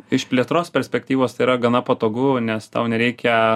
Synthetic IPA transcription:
ɪʃpʲlʲiɛt̪ɾoːspʲɛɾʲsʲpʲɛkt̪ʲiːʋoːst̪ɐɪiːɾɐɡɐnɐpɐt̪oːɡuːnʲɛst̪ɐ̰ʊnʲɛɾʲɛɪkʲɛ

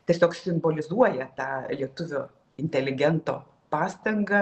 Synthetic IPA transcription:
t̪ʲiɛsʲoːksʲɪmboːlʲɪzuɔjɛt̪ɑːlʲiɛt̪ʊʋʲoː | ɪnʲt̪ʲɛlʲɪɡʲɛnt̪o̰ː | pɑːst̪ɐŋɡɐ

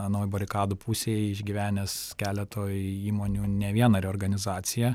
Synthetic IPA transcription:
ɐnɐʊjbɐɾʲɪkɑːd̪uːpʰuːsʲeːjɪʒʲɡʲiʋʲæːnʲɛskʲæːlʲɛt̪ʰoːjiːmoːnʲuːnʲɛʋʲiɛnɐɾʲɛoːɾɡɐnʲɪzɑːt̪sʲɪjɛ

